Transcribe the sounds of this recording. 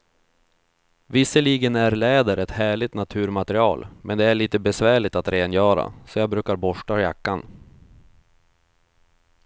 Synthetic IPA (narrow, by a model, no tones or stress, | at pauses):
vɪsːəliːɡənæɾlɛːd̪əɾɛt̪hæːɭɪt̪nat̪ʰʉ̟ːɾmat̪əɾɪɑ̰ːlmʔɛnd̪ɛæɭiːt̪əbɛsvæːɭɪt̪at̪ɾeːnjœːɾa̰sɔjɑːbɾʉ̟ːkaɾbɔʂʈaja̰kːan